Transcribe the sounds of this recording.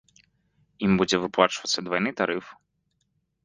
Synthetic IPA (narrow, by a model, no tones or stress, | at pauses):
imbud͡zʲɛvɨplˠat͡ʂvɐt̪sʲːɐd̪vajnɨt̪aɾɨf